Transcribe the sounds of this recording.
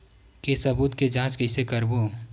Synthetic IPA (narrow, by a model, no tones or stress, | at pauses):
kesɐbuːt̪ked͡ʒãːt͡ʃkɐɪsekɐɾboː